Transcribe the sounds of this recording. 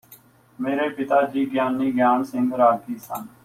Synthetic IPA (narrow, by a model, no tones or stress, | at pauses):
meːɾeːpɪt̪aːd͡ʒiːɡjaːnːiːɡjaːnsɪ̃ŋɡɾaːɡiːsən